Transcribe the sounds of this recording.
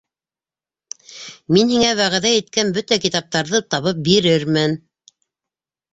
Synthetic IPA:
minhiŋæwæʁæðæjɘ̆t̪̚kænbɵt̪ækit̪ɑp̚t̪ɑɾðɤt̪ɑβɤp̚biɾɘɾmɘn

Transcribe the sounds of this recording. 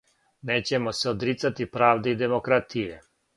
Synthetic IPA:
neːt͡ɕe̞moseod̪ɾit̪sat̪ipɾaːʋd̪eid̪e̞mo̞kɾat̪ʰije

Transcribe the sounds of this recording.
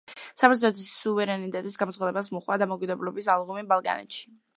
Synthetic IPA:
sapɛɾt̪ʰɔt̪ʰisuvɛɾɛnit̪ʼɛt̪ʼisɡamɔt̪sχad̪ɛbas̬mɔχwad̪amɔkʼid̪ɛblɔbisalˠʁumibalˠkʼa̰nɛ̰t̪ʃi̥

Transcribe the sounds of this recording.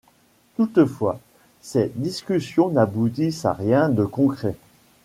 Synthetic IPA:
t̪ut̪əfwa̰ | sɛt̪d̪iskʲysjɔ̃nabut̪isa̰ʁjɛ̃d̪əkɔ̃kχɛ

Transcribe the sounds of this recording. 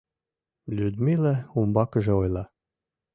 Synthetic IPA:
lʲyd̪milæumbɑkə̆ʒĕojlˠɑ

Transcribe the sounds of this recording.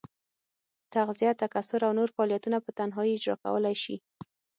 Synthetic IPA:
t̪aɣzijat̪akasʊɾawnoɾfaɑlijat̪unapət̪anɦɑiɪd͡ʒɾɑ̰ka̰wəlajʃḭ

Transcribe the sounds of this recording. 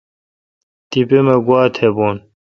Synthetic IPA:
t̪ipemɐɡwaːt̪ʰheboːn

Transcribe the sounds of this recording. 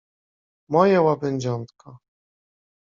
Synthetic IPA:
mɔjawabɛɲd͡ʑɔnt̪kʰa

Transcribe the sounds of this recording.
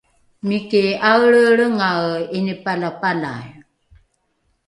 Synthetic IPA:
mikeawɭəɭəŋawenipalapala̰j

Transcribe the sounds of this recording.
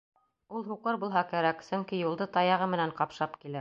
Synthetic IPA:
ulˠɦuqɤɾbulˠɦɑkæɾæksɵ̆ŋkijulˠd̪ɤt̪ɑjɑʁɤmɘ̆næɴqɑpʃɑpkilæ

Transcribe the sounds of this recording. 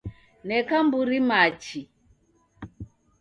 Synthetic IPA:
nɛkambuɾimat͡ʃi

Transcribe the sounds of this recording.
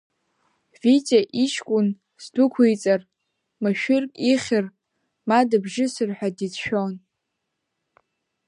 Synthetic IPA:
vit͡sʼaʔiʃkʷʼʊn | zdʊkʷʰujt͡sʼar | maʃᶣɪrkʲʼiχʲɪr | madabʒɪsɨrħʷᶣadit͡sʰʃᶣon

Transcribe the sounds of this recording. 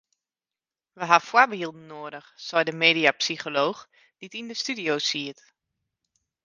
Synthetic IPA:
ʋəɦafwabəhilˠdnːoːədəχsɔjdəmeːdiapsiχoloːx | d̥itindəstydioːsiət

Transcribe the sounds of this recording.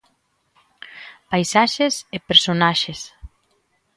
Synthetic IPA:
pajsaʃesepeɾsonaʃes

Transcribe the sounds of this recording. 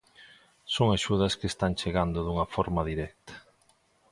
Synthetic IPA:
soŋaʃuðɐskest̪aŋt͡ʃeɣand̪ʊðuŋɐfoɾmɐðiɾɛk̚t̪ḁ

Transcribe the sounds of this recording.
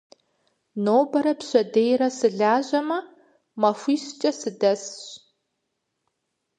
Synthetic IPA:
noːbɐɾɐpɕʷɐdeːjɾɐsɨɮaːʑɐmɐ | mɐfʷiːɕt͡ʃʼɐsɨdɐsɕ

